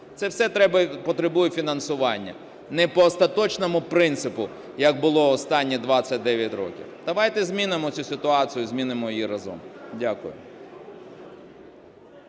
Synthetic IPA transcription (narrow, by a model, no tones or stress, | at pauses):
t̪sɛwsɛt̪ɾɛbɐpɔt̪ɾebujɛfʲinɐnsʊʋɑnʲːɐ̰ | nɛpɔːst̪ɐt̪ɔt͡ʃnɔmʊpɾɪnt̪sɪpʊ | jɐɡ̚bʊlˠɔɔst̪ɑnʲːid̪ʋɑt͡sʲːɐt̚ʲd̪ɛʋʲjɐtʲɾɔ̰kʲḭwd̪̥ɐʋɑjt̪ɛzʲmʲinɪmɔt͡sʲusɪt̪ʊɑt͡sʲijʊzʲmʲinɪmɔjjiɾɐzɔ̰mdʲakʊjʊ̰